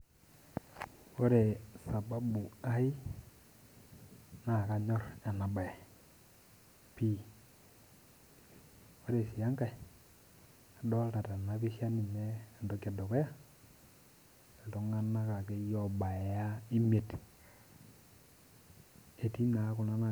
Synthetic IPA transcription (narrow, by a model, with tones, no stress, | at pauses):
o˦ɾe˨sa˨ba˦bu˨a˦i˦ | na˨ka˦ɲɔ˦ɾa˨na˨ba˨e˨ | pi˦ | o˦ɾe˨si˨ja˦ŋka˨i˨ | a˨dɔ˦lta˨ta˨na˨pi˦ʃja˦ni˨neː˦˨ndo˨˦ka˨do˨ke˦ja˦ | e˨lto˦ŋa˦na˦ka˨ke˦jɔ˨ba˨ja˦i˦me˨t | e˨ti˦na˨˦ku˨na˦na˨